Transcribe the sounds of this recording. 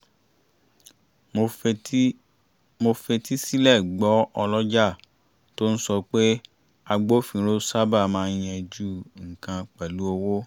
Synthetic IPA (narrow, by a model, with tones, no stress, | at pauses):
mo˧fe˧ti˦si˦lɛ˦˨ɡ͡bɔ˨˦ɔ˧lɔ˦d͡ʒa˦˨ | to˦n̩˦sɔ˧k͡pe˦ | a˧ɡ͡bo˦fĩ˧ɾo˦sa˦ba˦˨mãː˨˧˦j̃ɛ̃˧d͡ʒu˦ŋ̩˨kã˧k͡pɛ˨lu˨˦o˧wo˦